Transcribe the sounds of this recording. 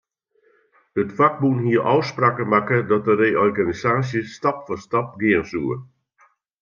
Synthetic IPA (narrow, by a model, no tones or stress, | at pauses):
dətfak̚bunhiəʔɔwspraːkəmakədɔt̚dəreːɔrɡanisaːsjəstapfɔstap̚ɡɪənsuːə